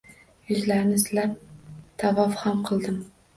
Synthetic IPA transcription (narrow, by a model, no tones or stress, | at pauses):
jʊzlaɾnɪzlapt̪ʰavɒfhamqʰɨlˠd̪ɪm